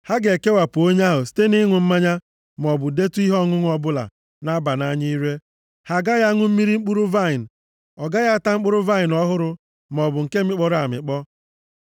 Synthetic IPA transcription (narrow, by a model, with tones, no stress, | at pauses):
ha˦ɡe˨ke˦wa˨pʊ˨o˦ɲ˦a˦ɦʊ˨si̥˦te˦ni˦ŋʷʊ˨m̩˦ma˦ɲa˦ | m˨ɔ˨bʊ˨de˦tu˦i˦ɦɔ˦ŋʊ˦ŋ˦ɔ˦bʊ˦la̰˨ | na˦ba˨na˦ɲi˦i˦ɾe˦ | ha˨ɡa˦ɣa˦ŋʷʊ˦m̩˦mi˦ɾi˦ŋ͡m̩˦k͡pu˦ɾʊ˦va˦˨ɪ˨n̩˨ | ɔ˨ɡa˦ɣa˦a˦˨ta˦ŋ͡m̩˦k͡pʊ˦ɾʊ˦va˦ɪ˨nɔ˦ɦʊ˦ɾʊ˦ | m˨ɔ˨bʊ˨ŋ̩˨ke˦m̩˦ɪ˦k͡pɔ˦ɾa˨mɪ̰˨k͡pɔ˦